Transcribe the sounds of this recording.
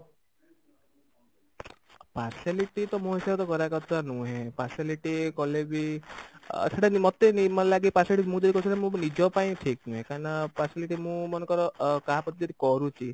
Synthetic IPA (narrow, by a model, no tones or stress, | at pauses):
pasiliʈit̪ɔmũɦisabt̪ɔkɔɾakɔɾt̪anũɦẽpasiliʈikɔlebi | tʰeʈanimɔt̪enimɔnelaɡipasiliʈimũd͡ʒɔd̪ikɔusʰeʈamũnid͡ʒɔpaĩʈʰiknũɦẽkaɾnɔpasiliʈimũmɔnekɔɾɔkapɔt̪id͡ʒɔd̪ikɔɾut͡ʃʰi